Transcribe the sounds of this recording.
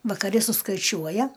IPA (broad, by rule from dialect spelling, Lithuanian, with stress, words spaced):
ʋɐkɐˈrʲɪ sʊskɐɪˈt͡ʃʲuɔjɛ